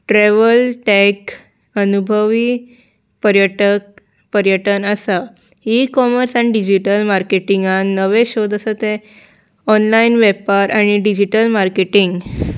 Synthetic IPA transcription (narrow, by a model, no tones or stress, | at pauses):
ʈɾɛʋəlʈɛk | ənubʱəʋi | pəɾjəʈək̚ | pəɾjəʈənəsa | ikɔməɾsaniɖid͡ʑiʈəlmaɾkeʈiŋɡãnəʋeɕod̪əsət̪e | ɔnlainʋɛpaɾʔaɽ̃iɖid͡ʑiʈəlmaɾkeʈiŋɡ